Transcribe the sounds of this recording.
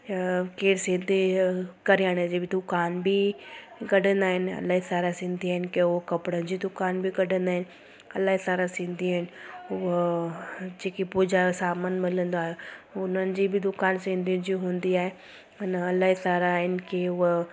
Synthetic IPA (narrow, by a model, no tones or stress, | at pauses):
keːɾsɪ̃nd̪ʱikɐɾijaːɽ̃əd͡ʑiːbɪd̪ʊkaːnbi | ɡɐɖ̤ʱə̃nd̪aːɦɪnɪɐ̰laːɦisaːɾasɪ̃nd̪iaːɦɪnɪkeʊkɐpɽənd͡ʑid̪ʊkaːnbʱiɡɐɖʱə̃nd̪aːɦɪnɪ̆ | ɐlaːɦisaːɾasɪ̃nd̪ʱiaːɦɪnɪ̆ʊɦ | d͡ʑeːkipuːd͡ʑasaːmənmɪlə̃nd̪oaːɦeʊnənɪ̆d͡ʑiːbɪd̪ʊkaːnsɪ̃nd̪ʱijũd͡ʑiɦũːnd̪iaːɦe | ʊnɐlaːɦisaːɾaɪnkʰeʊɦ